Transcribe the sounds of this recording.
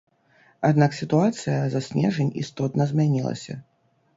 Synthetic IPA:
ad̪naksʲit̪uat̪sɨjɐzasʲnʲɛ̰ʐɐnʲḭst̪ɔt̪nɐzʲmʲanʲilˠɐ̰sʲɐ̰

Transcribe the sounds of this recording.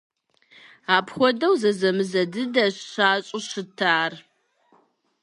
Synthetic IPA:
aːpxʷɔdɐwzɐzɐmɨzɐdɨdaɕɕaːɕʼɪɕɨtʰaːr

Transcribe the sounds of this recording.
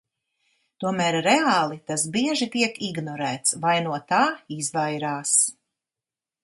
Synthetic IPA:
t̪uɔmæːɾɾeaːlˠit̪as̬biɛʒit̪iɛkiɡnɔɾæːt̪svajnuɔt̪aːizvajɾaːs

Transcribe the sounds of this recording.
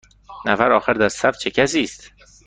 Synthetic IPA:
næfæɾɒːxæɾd̪æɾsæf̚t͡ʃʰecʰæsiːst̪

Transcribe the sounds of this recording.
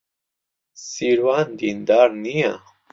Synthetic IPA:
siɾwand̪ind̪aɾnija̰

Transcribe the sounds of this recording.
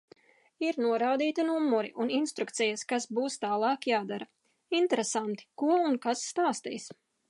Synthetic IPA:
iɾnuɔɾaːd̪iːt̪inumːɔɾḭʔuninst̪ɾukt̪sɛjaskasbuːst̪aːlˠɑːkjaːd̪aɾa | int̪ɛɾɛsant̪i̥kuɔunkasːt̪aːst̪ḭːs

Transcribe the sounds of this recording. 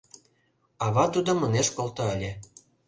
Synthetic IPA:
ɑβɑt̪ud̪ŏmɤ̆neʃkolt̪oəlʲĕ

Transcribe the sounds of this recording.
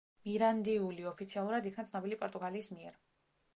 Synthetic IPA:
miɾand̪iuliɔpʰit̪sʰialˠuɾad̪ikʰnat̪sʰnɔbilipʼɔɾt̪ʼuɡaliːsmiɛɾ

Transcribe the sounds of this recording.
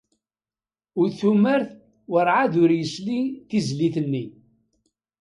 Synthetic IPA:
ʊɾθuməɾθ | wəɾʕaðʊɾjəsliθizliθənːi

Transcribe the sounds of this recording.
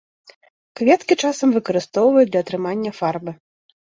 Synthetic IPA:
kvʲɛt̪kʲit͡ʂasɐmvɨkɐɾɨst̪ɔwvɐjud̪lʲɐːt̪ɾɨmanʲːɐfarbɨ

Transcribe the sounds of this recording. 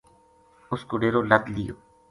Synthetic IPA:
ʊskoɖeːɾoːləd̪lijo̰ː

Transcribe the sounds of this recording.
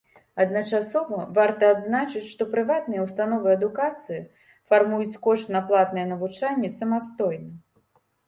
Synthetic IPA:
ɐd̪nɐt͡ʂasɔvɐvart̪ɐːd̪znat͡ʂɨt͡sʲʂt̪ɔpɾɨvat̪nɨjɛwst̪anɔvɨɐd̪ukat̪sɨji | farmujut͡sʲkɔʂt̪nɐplˠat̪nɐjɛnɐvut͡ʂanʲːɛsɐmast̪ɔjnɐ

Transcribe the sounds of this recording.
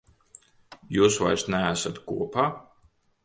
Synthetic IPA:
juːsva̰jɾsnʲææsat̪kuɔpaː

